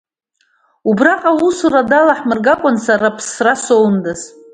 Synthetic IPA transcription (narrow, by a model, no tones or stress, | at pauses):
ubraqʼausuradalaħmɨrɡakʷʼʊnsarapʰsrasowndɨz